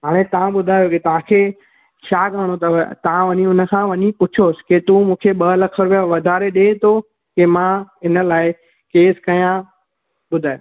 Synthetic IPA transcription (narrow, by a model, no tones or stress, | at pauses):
ɦaːɽ̃ẽt̪ɐʋ̤ãɓʊd̪ʱaːjoket̪ɐʋ̤ãkʰeː | ʃʰaːɡaːɽ̃ot̪ɐt̪ɐʋ̤ãʋɐɲiʊnə̆kʰãʋɐɲipʊt͡ɕʰoːsɪ̥ket̪ũːmũːkʰeɓɐlɐkʰəɾʊʋjaʋɐd̪ʱaːɾeɗẽːt̪ʰo | kemãɪnə̆laːɪ | keːskɐjã | ɓʊd̪ʱaːjo